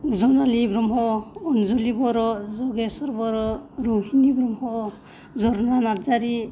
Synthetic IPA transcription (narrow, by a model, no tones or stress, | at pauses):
zɔnalibɾɔmɦɔːnzɔlibɔɾɔzɔɡɛsɔɾbɔɾɔɾuɦinibɾɔmhɔ | zɔɾɔnanaɾd͡ʒaɾi